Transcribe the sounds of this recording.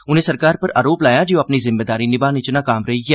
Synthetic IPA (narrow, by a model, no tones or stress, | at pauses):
ʊnẽːsəɾkaːɾpəɾa̰ːɾoːplaːjaːd͡ʒeoɐpnizɪmːeːd̪aːɾinɪbaːnɪt͡ʃnãːkaːmɾəɦiɡɛː